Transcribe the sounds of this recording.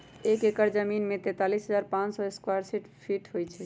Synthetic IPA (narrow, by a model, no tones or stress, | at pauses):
ekekəɾd͡ʒəminmet̪ɛ̃t̪alisɦəd͡ʒaɾpãt͡ʃsɔeskwaɾsiʈpʰiʈɦojt͡ʃʰɛ